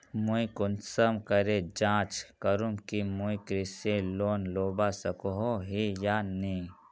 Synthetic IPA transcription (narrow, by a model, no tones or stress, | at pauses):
muikʊnsəmkɐɾed͡ʒãːt͡ʃkəɾumkimuikɾiseloːnloːbasɐkoɦoɦijaːne